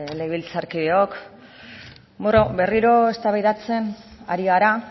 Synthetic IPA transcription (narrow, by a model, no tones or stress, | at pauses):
leβilt͡saɾkiðeok | morobe̞riɾo̞est̪aβajðat͡se̞na̰ɾiɣaɾa